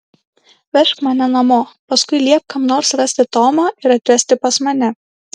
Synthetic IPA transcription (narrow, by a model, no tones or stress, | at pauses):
ʋʲɛʃkmɐnʲɛnɐmoːpɐskʊɪlʲiɛp̚kɐmnoːɾsɾɐsʲt̪ʲɪt̪oːmɑːɪɾɐt̪ʲʋʲɛsʲt̪ʲɪpɐsmɐnʲɛ